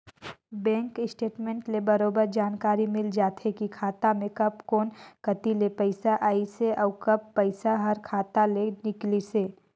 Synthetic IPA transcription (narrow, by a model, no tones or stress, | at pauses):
bɛ̃ːŋkɪsʈeːʈmẽːɳʈlebɐɾoːbəɾd͡ʒaːnkaːɾimɪld͡ʒaːt̪ʰekikʰaːt̪amẽkɐpkoːnkɐt̪ilepəɪsaʔaːiseʔɔːkɐpːəɪsaɦɐɾkʰaːt̪alenɪkliseː